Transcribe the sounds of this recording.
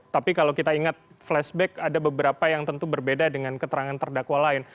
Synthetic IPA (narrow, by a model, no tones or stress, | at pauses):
t̪apikalakit̪aiŋat̪̚ | flɛsbɛkadabəbəɾapajaŋt̪ənt̪ubərbedadəŋankət̪əɾaŋant̪ərdakwalaɪn